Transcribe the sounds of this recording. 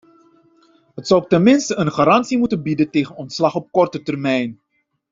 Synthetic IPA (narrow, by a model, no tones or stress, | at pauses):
ɦətsɔwtɛnmɪnstəənχaːɾɑnsimutənbidənteːχənɔntslɑχɔp̚kɔrtətərmɛjn